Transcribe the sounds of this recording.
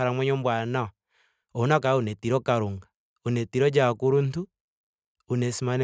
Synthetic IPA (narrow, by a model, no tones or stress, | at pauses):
aɾamwɛɲombwana | onakaunetiɾɔkaɾuŋɡa | unetiɾɔd͡ʒakuɾuntu | unesimane